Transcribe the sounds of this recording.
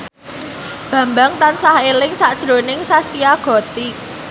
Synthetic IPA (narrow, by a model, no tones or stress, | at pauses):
b̥ä̤mbaŋt̪ansahelɪŋsad̥ʒ̥ɾo̤nɪŋsasiaɡ̥ɔ̤t̪i